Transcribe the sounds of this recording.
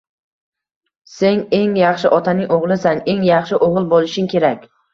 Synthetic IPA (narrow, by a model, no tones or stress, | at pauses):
se̞ŋe̞ŋjɑχʃɪʔɒt̪ʰanɪŋoʁlˠɪsane̞ŋjɑχʃɪʔoʁɨlˠbolɪʃɪŋkʲʰe̞ɾakʲ